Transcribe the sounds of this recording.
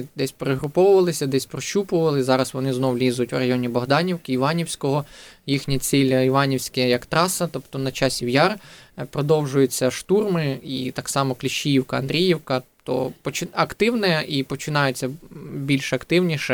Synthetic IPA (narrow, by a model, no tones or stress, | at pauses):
d̪ɛsʲpeɾeɦɾʊpɔwʊʋɐlˠɪsʲɐd̪ɛsʲpɾɔʃupʊʋɐlˠɪzɑɾɐsʋɔnɪznɔwlʲizʊtʲwrɐjɔnʲibɔɦd̪ɑnʲiwkɪiʋɑnʲiwsʲkɔɦɔjixnʲɐt͡sʲilʲiʋɑnʲiwsʲkɛjɐkt̪ɾɑsɐt̪ɔpt̪ɔnɐt͡ʃɑsʲiwjɑrpɾɔd̪ɔwʒʊjʊt͡sʲːɐʃt̪urmɪit̪ɑksɑmɔklʲiʃt͡ʃːijiwkɐɐ̰nd̪ɾʲijiwkɐt̪ɔ̰pɔt͡ʃɪɐkt̪ɪwnɛipɔt͡ʃɪnɑjʊt͡sʲːɐbʲilʲʃɐkt̪ɪwnʲiʃɛ